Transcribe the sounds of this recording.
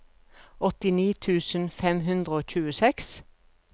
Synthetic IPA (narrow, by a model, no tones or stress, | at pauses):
ɔt̪ɪniːt̪ʰʉːsən̩fɛmɦʉnd̪ʁəoːc͡çʉːəsɛks